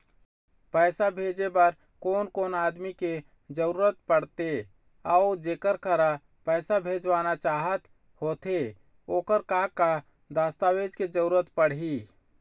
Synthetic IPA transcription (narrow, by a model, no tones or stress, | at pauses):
pəɪsabʱed͡ʒebəɾ | koːnkoːnaːd̪mike | d͡ʒəɾuɾət̪̚pəɽt̪e | aʊd͡ʒeːkəɾkəɾa | pəɪsabʱed͡ʒʋanat͡ʃaːɦət̪ | hoːt̪e | oːkəɾkaka | d̪ast̪awed͡ʒked͡ʒəɾuɾət̪pəɽɦi